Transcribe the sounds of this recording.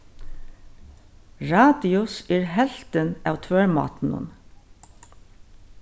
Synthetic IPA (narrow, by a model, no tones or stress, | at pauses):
ɹɑːd̪ɪʊsiːɹhɛlt̪ənɑʋt̪ʰøːɹmɑ̰ːt̪n̩ʊ̰n